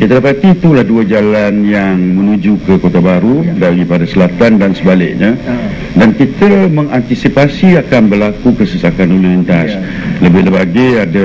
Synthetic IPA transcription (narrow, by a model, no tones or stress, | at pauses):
kit̪ədapat̪iːt̪ulahduəd͡ʒalanjaŋmə̃nũd͡ʒukəkot̪abaɾudaɾipadasəlat̪andansəbalɪʔ̚ɲə̃ | dankit̪əmə̃ŋant̪isipasiakanbərlakukəsəsakanulunint̪as | ləbɪhləbaɡaada